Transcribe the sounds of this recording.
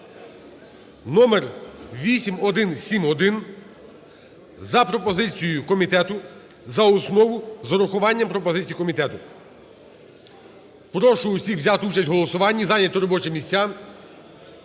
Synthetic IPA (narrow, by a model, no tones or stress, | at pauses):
nɔmerʋʲisʲimɔd̪ɪnsʲimɔd̪ɪn | zɐpɾɔpɔzɪt͡sʲijʊkɔmʲit̪ɛt̪ʊ | zɐɔsnɔʋʊzɔɾʊxʊʋɑnʲːɐmpɾɔpɔzɪt͡sʲijikɔmʲit̪ɛt̪ʊ | pɾɔʃʊʊsʲixʋzʲat̪ut͡ʃɐsʲtʲɦɔlˠɔsʊʋɑnʲːizɑnʲɐt̪ɔɾɔbɔt͡ʃɪmʲisʲt͡sʲːa